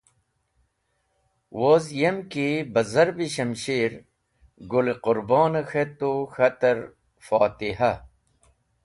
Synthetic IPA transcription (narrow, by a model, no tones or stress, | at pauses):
wozjemkibɐzɐɾbiɕɐmɕeːɾ | ɡuleqʊɾboːnɐxet̪oxɐt̪ɐɾ | faːt̪iɦɐ